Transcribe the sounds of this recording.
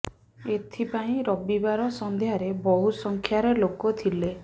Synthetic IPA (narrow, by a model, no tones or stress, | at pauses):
et̪ʰipaĩɾɔbibaɾɔsɔnd̪eɦaɾebɔɦusɔŋkʰjaɾelokɔt̪ʰile